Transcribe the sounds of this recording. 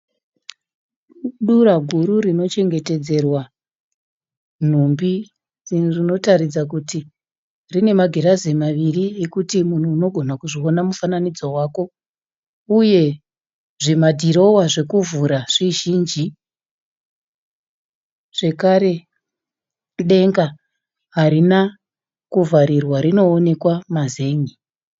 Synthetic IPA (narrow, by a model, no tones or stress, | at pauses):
ɗuɾaɡʱuɾuɾino̞t͡ʃe̞ŋɡe̞te̞d͡ze̞rwa | n̤umbi | rino̞taɾid͡zak̬uti | rine̞maɡʱe̞ɾaze̞maʋiriekutimun̤uːno̞ɡʱo̞nakuʐio̞namufananid͡zowaːko̞ | uje̞ | ʐimadʱiɾo̞waʐe̞kuvuɾaʐ̥iʒiːnd͡ʒi | ʐ̥e̞kaɾe̞ | ɗe̞ŋɡa | ɦaɾina | kuvaɾirwaɾino̞ːne̞kwamaze̞ːŋi